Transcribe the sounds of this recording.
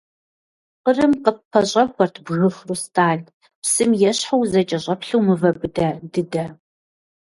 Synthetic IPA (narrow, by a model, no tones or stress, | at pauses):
qərɨmqəppʰːɐɕʼɐxʷɔrtʰbɣɨfrustʰaːɮ | psɨmjɛɕħawzɐt͡ʃʼɐɕʷʼɐpɬɨwmɨvɐbɨdɐdɨdɐ